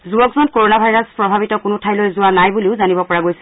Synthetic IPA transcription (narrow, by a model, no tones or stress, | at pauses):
zuɔkzɔnkoɹɔnabʱajɹaspɹɔbʱabitɔkʊnʊtʰajlojzʊwanajbuliʊzanibɔpɔɹaɡojsɛ